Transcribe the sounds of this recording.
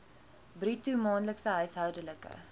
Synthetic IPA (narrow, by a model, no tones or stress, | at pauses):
britumɑːnləksəɦœɥsɦœwdələkə̰